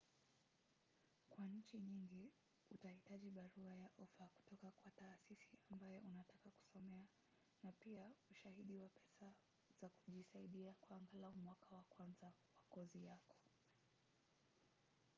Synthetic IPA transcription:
kwaɲ̩t͡ʃiɲiŋɡi | utahitaʄiɓaɾuajaʔɔfaku̥tɔkakwataːsisiambajɛʔunatakaku̥sɔmɛa | napiauʃahiɗiwapɛsa | z̥aku̥ʄisaiɗiakwaaːŋɡalaumwakawakwanzawakɔzijakɔ̥

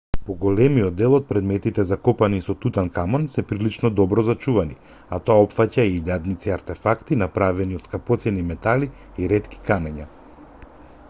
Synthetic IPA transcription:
pɔɡɔlɛmijɔd̪ːɛlˠɔt̪̚pɾɛd̪mɛt̪it̪ɛzakɔpanisɔt̪ut̪ankamɔnsɛpɾilit͡ʃnɔd̪ɔbɾɔzat͡ʃuvani | at̪ɔaɔpfacaiʎad̪nit̪siaɾt̪ɛfakt̪inapɾavɛniɔt̪skapɔt̪sɛnimɛt̪ali | iɾɛt̪ki̥kanɛɲa

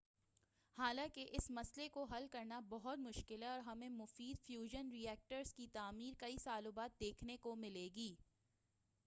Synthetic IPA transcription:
haːlãːkeʔɪsmɐslekoɦɐlkɐɾnabɔɦʊt̪mʊʃkɪlɦɛɔːɾɦɐmẽmʊfiːd̪fjuːʒənɾiɛːk̚ʈəɾz̥kit̪aːmiːɾkɐisaːlobaːt̪̚d̪eːkʰnekomɪleːɡiː

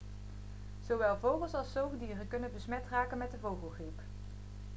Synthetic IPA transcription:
z̥owʋɛlˠvowχəlˠsɑlˠsowvədiːrəkɵnənbəsmɛtraːkənmɛt̚dəvowχəlˠχrip

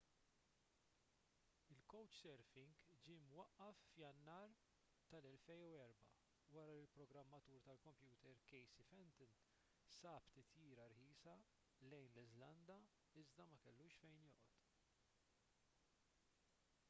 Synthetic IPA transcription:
ɪlkɔwt͡ʃsɛɾfɪŋɡd͡ʒimwɐʔːɐfːjɐnːɐːɾ | t̪ɐlɛlfɛjuɛɾbɐ̰ | wɐɾɐlɪlpɾɔɡɾɐmːɐt̪uːɾt̪ɐlkɔmpjuːt̪ɛɾkɛjsifɛnt̪ɪn | sɐːpt̪ɪt̪jiːɾɐɾħiːsɐ | lɛjnlɪzlɐnd̪ɐ | ɪzd̪ɐmɐkɛlːuːʃfɛjnjɔːʔɔt̪

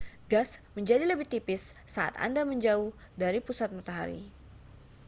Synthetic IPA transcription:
ɡasməɲd͡ʒadiləbɪht̪ipɪsːaʔa̰t̪a̰ndaməɲd͡ʒaʊh | daɾipusat̪̚mat̪aɦa̰ɾḭ

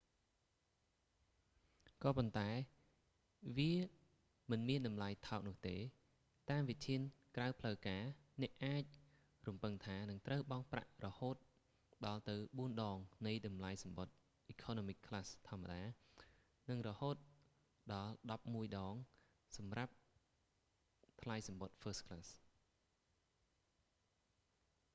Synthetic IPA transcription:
kɑːpont̪aɛ | ʋiə | mɨnmiənɗɑmlajt̪ʰaɔk̚nʊ̆əht̪eː | t̪aːmʋic̚t̪ʰiənkrawpʰləwkaːnɛ̆əʔaːc̚ | rumpɨŋt̪ʰaːnɨŋt̪rəwɓɑŋpra̰ʔrɔhoːt̪̚ | ɗɑlt̪ɨwɓuənɗɑːŋnɨjɗɑmlajsɑmɓot̪̚ | ʔiːkʰɔːnomikʰːlast̪ʰŏəma̰ɗaː | nɨŋrɔhoːt̪̚ | ɗɑlɗɑp̚muəjɗɑːŋ | sɑmrap̚ | t̪ʰlajsɑmɓot̪̚fəːskʰlas

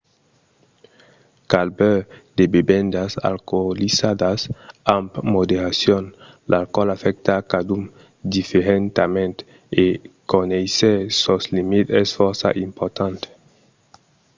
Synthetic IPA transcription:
kalbɛd̪̥ebebend̪asa̰lkolisad̪asampmod̪eɾasjon | lʔalkɔlafɛk̚t̪akad̪um | d̪ifeɾent̪amẽnt̪ | ekonejsesoslimit̪ɛsfoɾsa̰ʔimpoɾt̪ant̪e̥

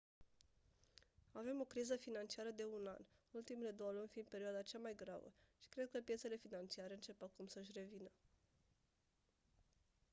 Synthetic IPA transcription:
ave̞mo̞kɾizəfinant͡ʃiaɾəd̪e̞una̰nult̪imele̞d̪o̞wəlunʲfind̪̚pe̞ɾioad̪at͡ʃamajɡɾa̰və̰ʃi̥kɾe̞d̪̚kəpje̞t̪se̞le̞finant͡ʃiaɾe̞ɨnt͡ʃe̞pakumsəʃʲre̞vinə

